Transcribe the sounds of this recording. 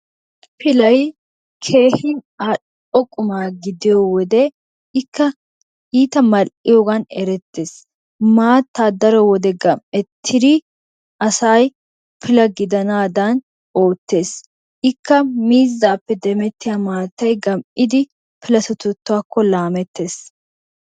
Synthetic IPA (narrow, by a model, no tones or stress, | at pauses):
pɪlɐj | kʰe̞ːhɪn | aᶑ | ɔkʼʊmaːɡɪd̪ɪjɔwɔd̪ɛ | ɪkʰːɐ | iːt̪ɐmɐlʔɪjoːɡɐnɛɾɛt̪ːe̞s | maːt̪ːaːd̪ɐɾɔwɔd̪ɛɡɐmʔɛt̪ʰːɪd̪ɪ | ʔɐsɐj | pʰɪlɐɡɪd̪ɐnaːd̪ɐn | oːt̪ːe̞ːs | ʔɪkːɐmiːzːaːpːɛd̪ɛmɛt̪ːɪjaːmaːt̪ːɐjɡɐmʔɪd̪ɪ | pʰɪlɐt̪ʊt̪ʊt̪ːʊwaːkːɔlaːmɛt̪ːe̞ːs